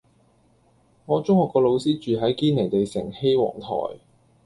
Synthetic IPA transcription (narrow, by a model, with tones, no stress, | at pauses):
ŋɔː˨˧t͡sʊ˥ŋhɔː˨kːɔː˧lo˨˧wsiː˥t͡ʃyː˨ɦɐ˨˥jkiː˥nle˨˩jt̪e˨jsɪ̰˨˩ŋhe˥jwɔ̰ː˨˩ŋt̪ʰɔ̰ː˨˩j